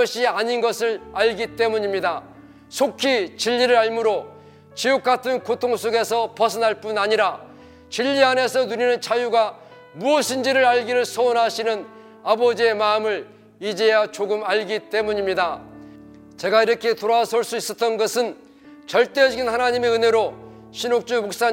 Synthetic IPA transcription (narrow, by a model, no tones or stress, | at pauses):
ʌɕʰiaɲinɡʌsʰɯɾaʎɡit͈e̞muɲimɲida | sʰokʰit͡ɕiʎːiɾɯɾaɭmuɾo | t͡ɕiok̚k͈atʰɯnkotʰoŋs͈ʰoɡe̞sʰʌpʌs̬ʰɯnɦaɭp͈unaɲiɾa | t͡ɕiʎːiane̞sʰʌnuɾinɯnt͡ɕʰajuɡa | muʌɕʰind͡ʑiɾɯɾaʎɡiɾɯɭsʰʌonɦaɕʰinɯn | abʌd͡ʑie̞maɯmɯɾ | id͡ʑejat͡ɕoɡɯmaɭɡit͈e̞muɲimɲida | t͡ɕe̞ɡaiɾʌkʰe̞t̪oɾasʰoɭs͈uis͈ʌt͈ʌnɡʌsʰɯn | t͡ɕʌɭt͈e̞d͡ʑʌɡinhanaɲimeɯne̞ɾo | ɕʰinok̚t͡ɕ͈umok̚s͈a